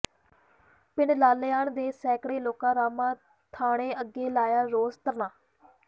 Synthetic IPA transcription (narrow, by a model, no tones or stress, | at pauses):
pɪnlaːleːaːɳd̪eːsɛːkɽeːloːkãːɾaːmãː | t̪ʰaːɽ̃eːəɡeːlaːjaːɾoːzt̪əɾnãː